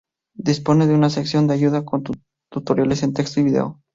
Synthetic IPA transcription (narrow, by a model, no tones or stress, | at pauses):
d̪ispo̞ne̞ðeunase̞ksjo̞nd̪eaʝuðako̞nt̪ | t̪ut̪o̞ɾjalese̞nt̪e̞kst̪oiβiðe̞̰o